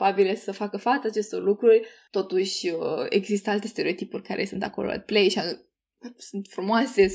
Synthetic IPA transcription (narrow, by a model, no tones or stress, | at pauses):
pabilesəfakəfat̪səat͡ʃe̞st̪o̞rlukɾurʲt̪o̞t̪uʃʲe̞̰ɡzist̪əalt̪e̞st̪eɾeo̞t̪ipurʲkaɾʔe̞̰sunt̪ako̞̰lo̰a̰d̪plejʃia | sunt̪fɾumoase̞